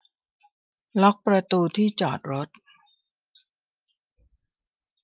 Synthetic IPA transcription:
lɔ˦˥k̚pɾa˧t̪uː˧t̪ʰiː˥˩t͡ɕɔ̰ː˨˩t̪̚ɾo˦˥t̪̚

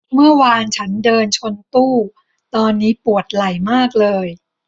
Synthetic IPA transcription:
mɯ˥˩ɐwaː˧nt͡ɕʰa˦˥ndɤː˧nt͡ɕʰo˧nt̪uː˥˩ | t̪ɔː˧nːiː˦˥pu˨˩ət̪̚la˨˩jmaː˥˩k̚lɤː˧j

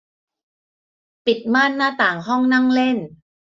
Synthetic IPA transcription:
pi˨˩t̪̚maː˥˩nːaː˥˩t̪aː˨˩ŋɦɔ˥˩ŋna˥˩ŋle˥˩n

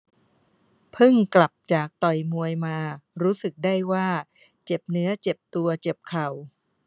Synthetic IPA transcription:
pʰɯ˥˩ŋkla˨˩p̚t͡ɕaː˨˩k̚t̪ɔ˨˩jmu˧əjmaː˧ɾuː˦˥sɯ˨˩k̚daː˥˩jwaː˥˩ | t͡ɕe˨˩p̚nɯ˦˥ɐt͡ɕe˨˩p̚t̪u˧ɐt͡ɕe˨˩p̚kʰa˨˩w

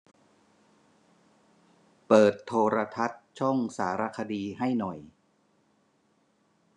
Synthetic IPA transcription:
pɤː˨˩t̪ʰːoː˧ɾa˧t̪ʰa˦˥t̪̚t͡ɕʰɔ˥˩ŋsaː˩˦ɾa˧kʰa˧diː˧ɦa˥˩jnɔ˨˩j

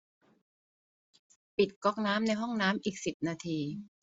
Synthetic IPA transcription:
pi˨˩t̪̚kɔ˦˥˩k̚naː˦˥mna˧jɦɔ˥˩ŋnaː˦˥mʔiː˨˩k̚si˨˩p̚naː˧t̪ʰiː˧

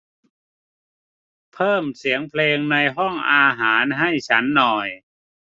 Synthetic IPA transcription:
pʰɤː˥˩msi˩˦əŋpʰleː˧ŋna˧jɦɔ˥˩ŋʔaː˧ɦaː˩˦nɦa˥˩jt͡ɕʰa˦˥nːɔː˨˩j

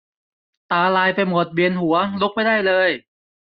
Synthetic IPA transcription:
t̪aː˧laː˧jpa˧jmo˨˩t̪̚bi˧˩ənɦu˩˦ɐlu˦˥k̚pa˥˩jdaː˥˩jlɤː˧j

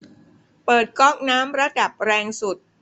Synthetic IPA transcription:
pɤː˨˩t̪̚kɔ˥˩k̚naː˦˥mɾa˦˥da˨˩p̚ɾɛː˧ŋsu˨˩t̪̚

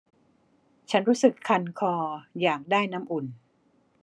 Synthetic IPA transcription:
t͡ɕʰa˦˥nɾuː˦˥sɯ˨˩kʰːa˧nkʰɔː˧jaː˨˩k̚daː˥˩jna˦˥mʔu˨˩n

